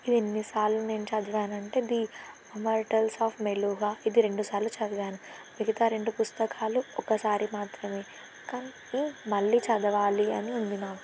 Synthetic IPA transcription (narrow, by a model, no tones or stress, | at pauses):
id̪enːisaːlːuneːmt͡ʃɐd̪ɐʋaːnɐɳʈeːid̪i | ɐmɐːɾʈɐlsaːfmeluːɦaːid̪iɾe̞ɳɖusaːɾlut͡ʃɐd̪ɐɡaːnu | miɡɐt̪aːɾe̞ɳɖupust̪ɐkʰaːluɔkɐsaːɾimaːt̪ɾɐme̞ː | kaːni | imɐɭːit͡ʃɐd̪ɐʋaːliɐ̰niund̪inaːku